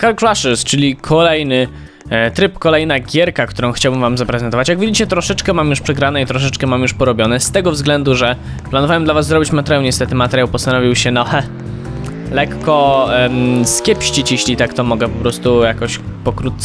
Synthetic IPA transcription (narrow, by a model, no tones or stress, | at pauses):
kalkɾwaʂɛst͡ʂɘlʲikʰɔlɛjnɘ | t̪ɾɘpkɔlɛjnaɡʲɛɾkakt̪uɾɔ̃w̃xt͡ɕawbɘmvamzapɾɛzɛnt̪ɔvat͡ɕjaɡvɨit͡ɕɛt̪ɾɔʂɛt͡ʂkɛmamjuʂpʂɛɡɾanɛit̪ɾɔʂɛt͡ʂkɛmamjuʂpɔɾɔbʲjɔnɛst̪ɛɡɔvzɡlɛnd̪uʐɛ | planuvawɛmd̪lavazːɾɔbʲit͡ɕmat̪ɛɾʲjawɲɛst̪ɛt̪ɘmat̪ɛɾjawpɔst̪anɔvʲiwɕɛnɔhɛ | lɛkːɔ | skʲɛpɕt͡ɕit͡ɕjeɕlʲit̪akt̪ɔmɔɡɛpɔpɾɔst̪ujakɔɕpɔkɾut̪̚t̪s